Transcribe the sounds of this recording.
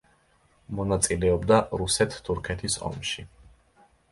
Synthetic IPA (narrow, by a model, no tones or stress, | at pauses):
mɔnat̪sʼilɛɔbd̪aɾusɛt̪ʰːuɾkʰɛt̪ʰisɔ̰mʃi